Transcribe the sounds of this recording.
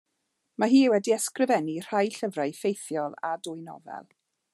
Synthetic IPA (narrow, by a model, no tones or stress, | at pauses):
maɦiːwɛdiɛskrɪvɛnir̥ajɬəvrajfejθjɔlˠa̰dʊjnɔ̰vɛ̰lˠ